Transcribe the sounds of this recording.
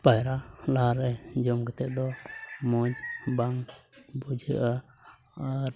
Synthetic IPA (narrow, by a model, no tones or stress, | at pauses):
pajɾalaaɾɛd͡ʒɔmɡɛt̪ɛʔ̚d̪ɔmɔd͡ʒbaŋbud͡ʒʱə̰ʔa | aɾ